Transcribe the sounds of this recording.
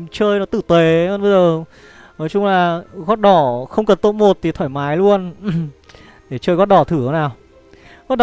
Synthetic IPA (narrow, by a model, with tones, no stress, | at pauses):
t͡ɕəː˧jnɔ˨˦t̪ɨ˧˩t̪we˨˦˧nɓə˧jzəː˨˩ | nɔ˨˦jt͡ɕʊ˧ŋ͡mlaː˨˩ɣɔ˦˥t̚ɗɔ˧˩xə˧wŋ͡mkə˨˩nt̪o˧˥nmo˨˩t̚t̪ʰi˨˩t̪ʰaː˧˩jmaː˨˦jlu˧ən | ɗe˧˩t͡ɕəː˧jɣɔ˦˥t̚ɗɔ˧˩t̪ʰɨ˧˩ə˨˦naː˨˩w | ɣɔ˦˥t̚ɗ